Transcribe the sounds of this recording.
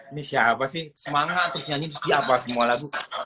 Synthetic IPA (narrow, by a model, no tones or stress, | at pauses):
inisiapasɪhsəmaŋat̪̚t̪ːɾusɲaɲit̪ʊsdiapasəmualaɡu